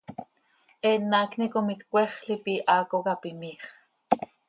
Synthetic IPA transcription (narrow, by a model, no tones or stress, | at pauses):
ʔenaːknikomit̪kʷeχɬipiʔaːkokapimiχ